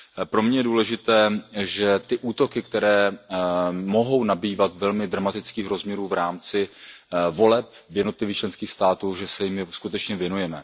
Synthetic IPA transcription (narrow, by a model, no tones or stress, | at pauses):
pɾomɲɛjɛduːlɛʒɪt̪ɛːʒɛt̪ɪʔuːt̪o̞kɪkt̪ɛɾɛː | mo̞ɦo̞wnabiːvat̪vɛlmɪd̪ɾamat̪ɪt͡skiːxɾo̞zmɲɛɾuːvɾaːmt͡sɪvo̞lɛp̚ | vjɛdno̞t̪lɪviːkt͡ʃlɛnskiːxst̪aːt̪uːʒɛsɛjɪmɪskut̪ɛt͡ʃɲɛvjɛnujɛmɛ